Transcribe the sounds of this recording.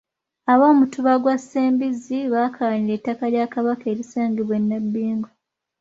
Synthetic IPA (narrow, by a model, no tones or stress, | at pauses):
aβo̞ːmutuβaɡwasːeːmbiziβaːkʰalaɲiɾe̞tːakaljaːkaβakeːɾisaːŋɡiβwe̞nːabːiːŋɡo